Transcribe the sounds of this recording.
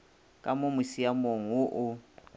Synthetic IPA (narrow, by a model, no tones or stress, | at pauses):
kʼamomisijamoŋ̩ʊʔʊ